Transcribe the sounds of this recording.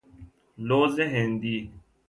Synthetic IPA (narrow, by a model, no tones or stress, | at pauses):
loːzeɦẽnd̪iː